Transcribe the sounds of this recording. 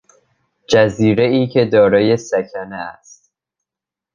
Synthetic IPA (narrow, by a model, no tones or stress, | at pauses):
d͡ʒæziːɾe̞iːcʰe̞d̪ɒːɾɒːje̞sæcʰæneæ̰st̪̚